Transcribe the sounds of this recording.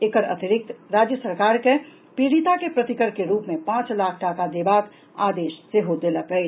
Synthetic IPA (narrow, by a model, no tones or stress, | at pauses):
ekəɾɐ̰t̪ɪɾɪk̚t̪ɾaːd͡ʒjəsəɾkaːɾke | pɾiːɽit̪akepɾɐt̪ɪkəɾkeɾuːpmẽpãːt͡ʃlaːkʰʈaːkad̪eːbaːk̪ | a̰ːd̪eːʃseɦod̪elapəe